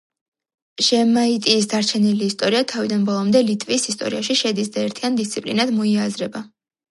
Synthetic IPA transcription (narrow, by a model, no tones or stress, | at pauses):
ʒɛmait̪ʼiːsd̪aɾt͡ʃʰɛniliːst̪ʼɔɾiat̪ʰavid̪anbɔlˠɔmd̪ɛlit̪ʼvisist̪ʼɔ̰ɾiaʃiʃɛd̪is̬d̪aɛɾt̪ʰiand̪ist̪sʰipʼlinad̪mɔiazɾɛba